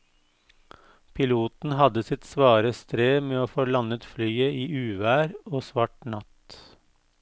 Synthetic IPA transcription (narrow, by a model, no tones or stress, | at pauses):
pʰɪluːt̪n̩hɑd̪əsɪt̪sʋɑːɾəst̪ɾeːmeːoːfoːlɑnət̪flyːəiːʔʉːʋæːɾoːsʋɑʈnɑt̪